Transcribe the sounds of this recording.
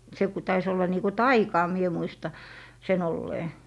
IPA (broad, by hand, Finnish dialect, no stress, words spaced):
se ku tɑis olːɑ niː ku tɑikɑː mie muistɑ sen olːeː